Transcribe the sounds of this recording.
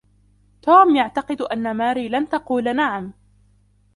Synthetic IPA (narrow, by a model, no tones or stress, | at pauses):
t̪uːmjaʕt̪ɑqɨd̪ʔanːamaːɾiːlant̪ɑquːlanaʕam